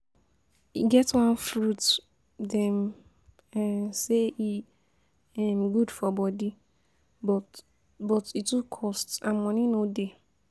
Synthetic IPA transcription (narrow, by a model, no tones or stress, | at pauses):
ḭɡɛtwãnfɾut | dɛ̃m | ansei | ɛmɡudfɔbɔdi | bɔ | bɔtitukʰɔstã̰mɔ̃nĩnode